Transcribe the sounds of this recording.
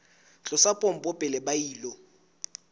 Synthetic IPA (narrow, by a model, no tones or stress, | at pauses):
t͡ɬʼɔsapʼɔm̩pʼɔpʼɛlɛbaiːlɔ